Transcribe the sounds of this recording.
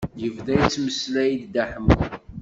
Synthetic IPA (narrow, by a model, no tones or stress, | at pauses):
jəvd̪æjt͡sːməslæjid̪ːæħəm